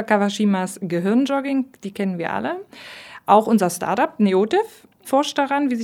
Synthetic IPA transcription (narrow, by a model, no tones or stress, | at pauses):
kaʁaʃiːmasɡ̥əɦɪɐnd͡ʒɔɡɪŋd̥iːkʰɛnənviːɐʔa̰ləʔaʊxʔʊnzɐsta̰ɐtapneoːtɪf | fɔɐʃt̚d̥aʁanviːz